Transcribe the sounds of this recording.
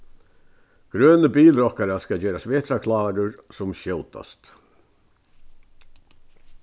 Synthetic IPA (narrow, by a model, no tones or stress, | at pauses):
ɡ̥ɾøːnəbiːlɾɔhkaɾaskɑd͡ʒøːɾasʋeːt̪ɾakʰlɑːɾʊɹsɔmʃɛʊt̪a̰st̪